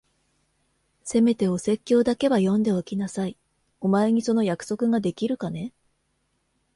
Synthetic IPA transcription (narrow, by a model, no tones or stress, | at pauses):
se̞me̞t̪e̞o̞se̞kʲːo̞ːd̪ake̞βajõ̞nd̪e̞okʲinasai | o̞mae̞ɲ̟iso̞no̞jakɯ̟̥so̞kɯ̟ɡad̪e̞kʲiɾɯ̟kane̞